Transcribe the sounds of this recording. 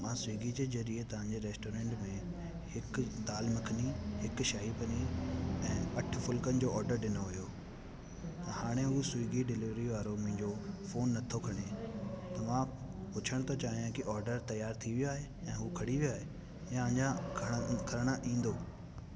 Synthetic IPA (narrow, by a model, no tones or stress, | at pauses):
mãːsʊiːɡid͡ʑeːzɐɾiet̪ɐʋ̤ãːɲ̆d͡ʑeɾeːsʈoːɾẽːɳʈmẽ | hɪkd̪aːlmɐkʰəniɦɪkʃaːɦipɐniɛ̃ːɐʈʰfʊlkənɪ̆d͡ʑoːɔːɾɖəɾɗɪnoɦʊjoː | ɐhaːɽ̃eɦusʊiːɡiɖɪlɪʋɾiʋaːɾomĩɲd͡ʑoːfoːnːɐt̪ʰokʰɐɽ̃et̪ɐʋã | pʊt͡ɕʰəɽ̃t̪ɐt͡ɕaːɦijãkiʔɔːɾɖəɾt̪ɐjaːɾt̪ʰiʋijoaːɦe | ɛ̃ːɦuːkʰɐɽiʋijaːɦe | jãɲd͡ʑakʰkʰɐɾəɽ̃əʔĩːnd̪oː